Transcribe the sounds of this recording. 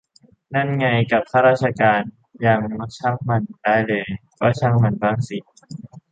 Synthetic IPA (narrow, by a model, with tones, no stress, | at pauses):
na˧˥˩nŋa˧jka˨˩p̚kʰaː˦˥ɾaː˥t̪̚t͡ɕʰa˧kaː˧n | jaː˨˧˩ŋma˧˩t͡ɕʰa˧˥˩ŋ̚ma˧ndaː˥˩jlɤː˧jkɔː˧˥˩t͡ɕʰa˦˥˩ŋma˧nbaː˧˥˩ŋsi˨˩t̪̚